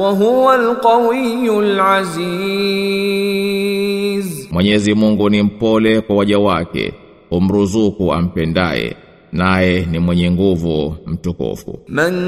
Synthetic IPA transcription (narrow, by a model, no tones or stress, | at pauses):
waɦʊwalqɑwijːʊlʕaziː | zmwɛɲɛzimuŋɡunim̩pɔlɛkwawaʄawakɛ̰ | um̩ɾuzukua̰m̩pɛnda̰jɛ̰ | najɛnimwɛɲɛŋɡuvum̩tukṵfṵman